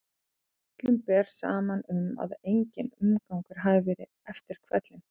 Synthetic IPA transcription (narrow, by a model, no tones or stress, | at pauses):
t̪lʏmpɛɾ̥sa̰ːmanʏma̰ðejɲcɪnʏmkawŋkʏɾ̥ɦaðɪvɛːɾɪ | ɛft̪ɪɾ̥kʰvɛt̪lɪn